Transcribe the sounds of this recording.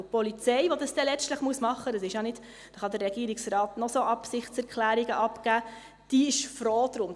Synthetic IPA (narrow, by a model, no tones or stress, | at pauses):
pɔlit͡sɛjʋɔdɑsd̥ɛlɛstləχmuəsmɑχːədɑsɪʃjɑnɪd̥ | d̥ɑχɑd̪əɾɛɡiːəɾiksɾɑːtnɔsoʔɑpsɪχtt͡sɛɾkχlæːɾiɡəʔɑpkæː | d̥iɪʃfɾoːd̥̪ɾʊm